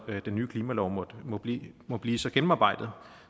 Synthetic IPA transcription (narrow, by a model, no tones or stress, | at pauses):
d̥enːyːkʰliːmælɒʊmɔ̥mɒ̽b̥imɒ̽b̥liːsɒ̽ɡ̥em̩ɑ̈ːb̥ɑ̈ɪ̰d̥ð̞̩ˠ